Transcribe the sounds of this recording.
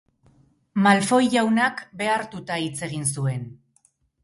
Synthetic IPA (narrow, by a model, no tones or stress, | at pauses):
malfo̞jʝawnakbe̞aɾt̪ut̪ait͡se̞ɣ̞ins̬ue̞n